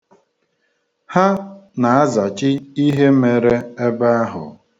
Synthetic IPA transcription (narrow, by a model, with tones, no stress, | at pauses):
ha˦na˨a˦za˨t͡ʃɪ˦i˦ɦe˦me˨ɾe˦e˦ba˦a˦ɦʊ̰˨